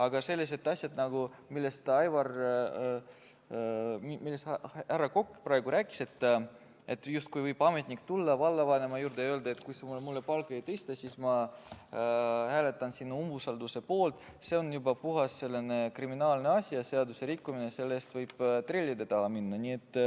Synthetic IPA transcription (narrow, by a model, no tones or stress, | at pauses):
ɑɡ̥ɑse̞lːese̞t̪ːˑɑsʲjɑd̪̥nɑɡ̥u | milːe̞st̪ɑjvɑr | mmilːeshæɾɑko̞kːpɾɑe̞ɡ̥uɾæːkːˑi̥se̞t̪ːˑ | e̞t̪ːjust̪̚kujvɤjb̥ɑme̞t̪ʲnikːt̪ulːɑvɑlːɑvɑne̞mɑjuːrd̪eøːld̪ɑet̪kujsemumulːepɑlɡe̞jt̪ɤjst̪ɑsismɑ | hæːle̞t̪ːˑɑnsinːuumvusɑld̪use̞po̞ːlt̪ˑ | se̞onjubɑpuɦɑsse̞lːene̞kriminɑːlne̞ɑsʲijɑse̞ɑd̪useɾikːuminese̞lːeːst̪vɤjb̥t̪relʲːid̪et̪ɑminːɑnie̞t̪ːˑ